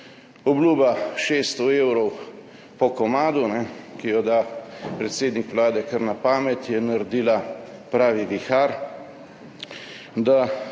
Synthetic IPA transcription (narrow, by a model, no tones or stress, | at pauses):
ɔbluːbaʃeːst̪ɔewɾɔw | pɔkɔmaːd̪unɛkijɔd̪apɾɛt̪seːd̪nikʋlaːd̪ɛkəɾnapaːmɛt̪jɛnaɾd̪iːlapɾaːʋiʋixaɾ | d̪a